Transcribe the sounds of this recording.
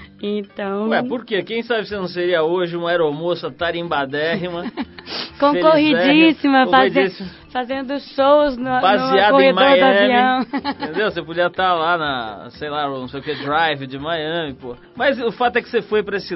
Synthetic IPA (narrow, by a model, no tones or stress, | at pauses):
ẽt̪ɐ̃w̃ɛpoɾkekẽj̃sabɪsɪnɐ̃w̃seɾiɐoʒɪũɐɛɾomosɐt̪aɾẽj̃bad̪ɛɦɪmɐ̃ | kõekohid͡ʒisimɐkfaid͡ʒisimɐ | fazẽnd̪ʊʃowznʊbaziadkoeẽd̃maojd̪avɐ̃ĩmɐ̃w̃tẽnd̪ewsepod͡ʒiɐt̪alanɐsejlaʊnɐ̃w̃sejʊked̪ɾajvɪd͡ʒɪmajɐ̃mɪpohɐmɐzʊfat̪ʊɛkɪ̥sefojpɾɐesɪ